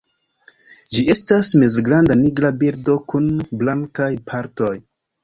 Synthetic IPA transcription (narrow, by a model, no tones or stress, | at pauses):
d͡ʒie̞stasmezɡɾandaniɡɾabiɾdo̞kunblaŋkajpʰaɾto̞j